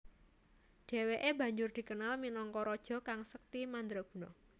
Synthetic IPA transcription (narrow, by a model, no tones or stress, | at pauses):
ɖ̪̥e̤weʔebä̤ɲd͡ʒʊrd̪̥i̤kənalminɔŋkɔɾɔd̥ʒ̥ɔ̤kaŋsək̚t̪imand̪ɾɔb̥ṳnɔ